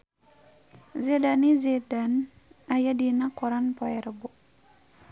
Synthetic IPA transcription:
zedanizedan | ajadinakɔɾanpɔɛɾbuʔ

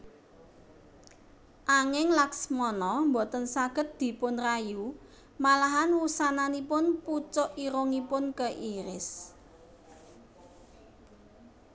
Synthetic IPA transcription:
ʔaŋɪŋlaksmɔnɔmbo̤t̪ənsaɡ̥ə̤t̪̚d̪̥i̤pʊnraju | malaɦanwusananipʊnput͡ʃɔʔiɾoŋipʊnkəʔiɾɪs

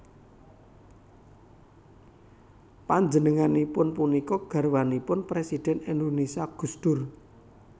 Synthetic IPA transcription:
paɲd͡ʒənəŋanipʊnpunikɔɡ̥ä̤rwanipʊnpɾesid̪̥ɛ̤nendonisiaɡ̥ṳsd̪̥ʊr

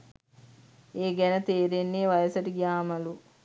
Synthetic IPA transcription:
eːɡɛnɐt̪eːɾenːeːʋɐjɐsɐʈiɡjaːmɐlu

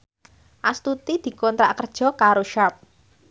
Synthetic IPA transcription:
ʔast̪ut̪id̪̥i̤kɔnt̪ɾaʔkərd̥ʒ̥ɔ̤kaɾoʃap̚

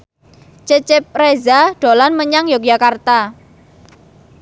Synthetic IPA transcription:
t͡ʃət͡ʃɪp̚rezaɖ̥olanməɲaŋjok̚d͡ʒakart̪a

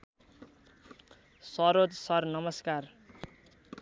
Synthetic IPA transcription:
sʌɾod̪sʌrnʌmʌskar

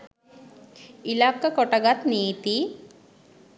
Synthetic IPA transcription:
ilakːakɔʈaɡat̪niːt̪i

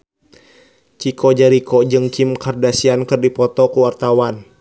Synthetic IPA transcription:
t͡ʃikɔd͡ʒaɾikɔd͡ʒɨŋkimkardasiankɨrdipɔt̪ɔkuwart̪awan

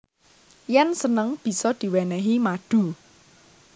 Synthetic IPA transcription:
jɛnsənəŋb̥i̤sɔd̪̥i̤wɛnɛɦimaɖ̪̥ṳ

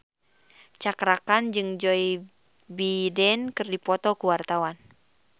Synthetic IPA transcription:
t͡ʃakɾakand͡ʒɨŋd͡ʒɔi | bidɛnkɨrdipɔt̪ɔkuwart̪awan

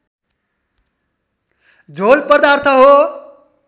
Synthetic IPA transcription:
d͡ʒʱoːlpəd̪aːɾt̪ʰəɦo

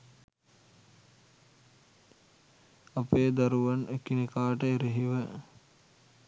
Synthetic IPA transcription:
apeːd̪aɾuʋanʔekinekaːʈəeɾiɦiʋə

